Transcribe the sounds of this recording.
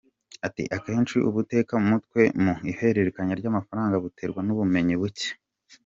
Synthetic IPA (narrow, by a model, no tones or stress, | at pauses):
atḭʔake̞ːnt͡ʃiʔuβute̞ːkamutkwe̞muihe̞ɾe̞ɾekaɲaɾɟaːmafaɾaːŋɡaβutʰe̞ɾɡwanuβume̞ɲiβuce̥